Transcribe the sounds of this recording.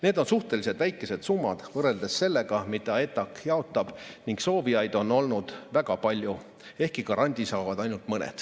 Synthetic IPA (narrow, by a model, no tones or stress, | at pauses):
ne̞ːd̪̥onsuht̪e̞lise̞d̪væjkːˑe̞se̞d̪̥sumːɑd̪̥vɤrːe̞ld̪̥e̞se̞lːe̞ɡ̥ɑmid̪ɑe̞t̪ːˑɑkjɑo̞t̪ːˑɑb̥niŋɡso̞ːvijɑjd̪̥o̞nːo̞lnud̪̥væɡ̥ɑpɑlʲju | e̞hkikɑɾʔɑnʲd̪ʲisɑːvɑd̪ɑjnult̪mɤnḛd̪̥